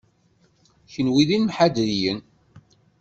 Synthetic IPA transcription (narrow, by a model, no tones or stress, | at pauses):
çənwiðinmħad̪ɾijən